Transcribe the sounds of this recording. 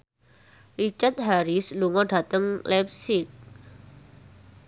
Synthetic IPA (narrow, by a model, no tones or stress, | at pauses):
rit͡ʃart̪̚ɦaɾisluŋɔɖat̪əŋlɛp̚sɪk̚